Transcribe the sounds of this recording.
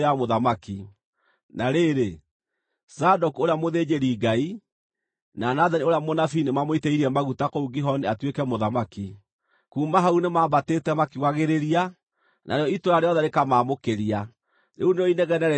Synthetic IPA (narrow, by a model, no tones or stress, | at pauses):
amoðamaki | naɾeɾe | sadokoɾeamoðeːd͡ʒeɾiːɡai | nanaðanioɾeamonafinemamoiteiɾiɛmaɣutakouɡiɦɔneatwekɛmoðamaki | kuːmaɦaunemaːbatetɛmakiwaɣeɾeɾia | nʔa̰ɾeɔitoɾaɾeɔðɛɾekamaːmokeɾia | neuneɔineɣɛnɛɾɛ